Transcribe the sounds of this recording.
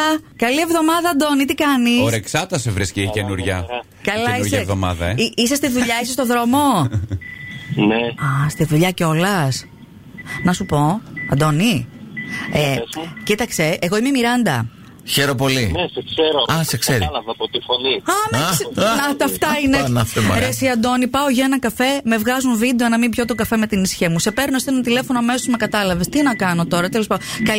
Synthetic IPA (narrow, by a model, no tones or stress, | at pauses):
kɐlie̞vðo̞mɐðɐːd̪o̞nit̪ikɐnisosɾeksɐt̪ɐsevɾisciicenuɾʝɐ | kɐlɐisɾʝɐvðomɐ̰ðɐ̰eiisest̪iðuʎɐisest̪oðɾo̞mo̞ | neɐst̪iðuʎɐceolɐs | nɐsupo̞ɐ̰d̪o̞ni | ecit̪ɐkse̞ʔːɣoimemiɾɐnd̪ɐ | çe̞ɾo̞po̞linesekseɾoɐsekseɾḭlɐvɐpot̪ifoniɐmesnɐt̪ɐft̪ɐinenɐfemɐ̰ɾɾesiɐnd̪o̞nipɐoʝɐenɐkɐfe̞me̞vɣɐzunvid̪eenɐmimbʝot̪oɡɐfe̞me̞t̪inisçemuse̞pe̞ɾnost̪oenɐt̪ile̞fo̞noɐme̞sozme̞kɐt̪ɐlɐve̞st̪inɐkɐno̞t̪o̞ɾɐt̪e̞lispɐkɐ